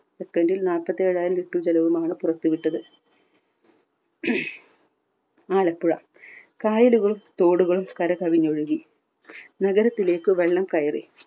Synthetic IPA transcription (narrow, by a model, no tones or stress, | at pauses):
ekt̪ːɐndilnaːlpːɐt̪ːe̞ːɻaːjumʋiʈːut͡ɕɐlɐʋumaːɳɨpurɐt̪ːuʋiʈːɐðɨ | aːlɐpːuɻɐ | kaːjɐluɣɐɭumt̪o̞ːɽuɣɐɭumkɐɾɐkɐʋiɲːo̞ɻuɣi | nɐɣɐɾɐt̪ːile̞ːkːɨʋe̞ɭːɐmkɐjɐrḭ